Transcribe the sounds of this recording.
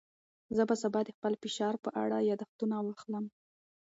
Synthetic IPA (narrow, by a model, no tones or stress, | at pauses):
zəbasabɑd̪əxpəlfɪʃɑɾpəʔa̰ɽajɑd̪axt̪unawaxləm